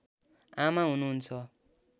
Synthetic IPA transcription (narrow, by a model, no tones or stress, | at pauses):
amaɦunuɦunt͡sʰʌ